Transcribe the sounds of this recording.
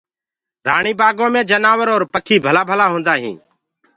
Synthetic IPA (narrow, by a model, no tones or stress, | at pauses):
ɾaːɳiːbaːɡõːmẽːd͡ʒənaːʋəɾoːɾpəkʰiːbʱəlaːbʱəlaːɦõːnd̪aːɦḭ̃ː